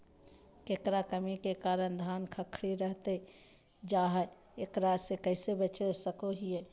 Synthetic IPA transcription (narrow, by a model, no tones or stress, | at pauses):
kekɾakəmikekaːɾənd̪ʱaːnkʰəkʰɽiɾəɦt̪e | d͡ʒaːɦə | eːkɾasekəɪsebət͡ʃesəkoɦiɛ